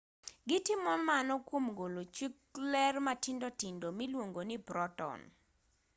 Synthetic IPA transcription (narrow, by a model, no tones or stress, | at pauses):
ɡɪtjimɔnmanɔkwomɡolot͡ʃwiklɛrmatɪndotindomilwoŋɡonipɾɔtɔ̰n